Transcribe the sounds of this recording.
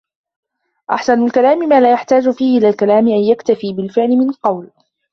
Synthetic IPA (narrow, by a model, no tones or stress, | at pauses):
ʔa̰ħsanʊlkalaːmɪmaːlaːjaħt̪aːd͡ʒʊfiːhɪʔɪlaːlkalaːmɪʔanjakt̪afiːbɪlfɪʕlɪmɪnqɑwl